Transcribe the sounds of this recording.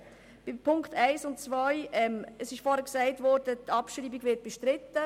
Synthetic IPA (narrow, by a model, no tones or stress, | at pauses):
b̥ɪpʰʊŋktaɪsʊntt͡svɔɪɛməsɪʃfɔːɾhɛksaɪtvɔɾdətʰɑpʃɾiːbɪɡvɪt̚b̥ɛʃtɾɪtːə